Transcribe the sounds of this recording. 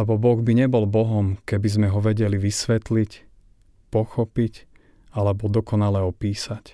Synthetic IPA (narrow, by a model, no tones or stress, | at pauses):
ɛbɔbɔɣbiɲɛbɔlbɔɦɔmkɛbizmɛɦɔʋɛɟɛliʋisʋɛt̪lic | pɔxɔpic | alɛbɔd̪ɔkɔnalɛɔpiːsac